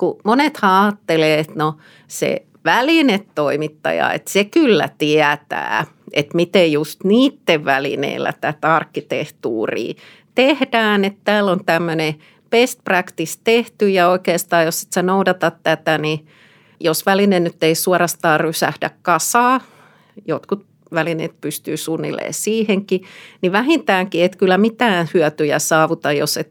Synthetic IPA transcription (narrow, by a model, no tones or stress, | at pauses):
kumonet̪hɑ̃ɑːt̪ːeleːet̪no | sḛ | ʋælinet̪toimit̪ːɑ̰jɑ̰ḛt̪sekylːæ̰t̪iæt̪æ̰ː | ʔet̪mit̪ejjust̪niːt̪ːeʋʋælḭnḛilːæ̰t̪æt̪ɑrkːit̪ḛht̪ṵːrḭː | t̪ehd̥æːnet̪t̪æːlːont̪æmːøne | pest̪prækt̪ist̪eht̪yjɑoikeːst̪ɑːjossi̥t̪sænoudɑt̪ɑt̪t̪æt̪æni | josʋælinennyt̪ːeisuɔrɑst̪ɑːrrysæ̰hdæ̰kkɑsɑː | jot̪kut̪ | ʋælinḛːt̪̚pyst̪yːsunːḭlːḛːsiːheŋkiniʋæɦint̪æːŋkiet̪kylːæmit̪æːhyœt̪yjæsɑːʋut̪ɑjjo̰set̪